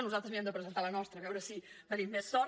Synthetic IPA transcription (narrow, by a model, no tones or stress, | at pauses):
nuzalˠt̪ɾəzmiɛmd̪əpɾəzeənt̪alənɔst̪ɾəβɛwɾəsibəɾimːesːɔ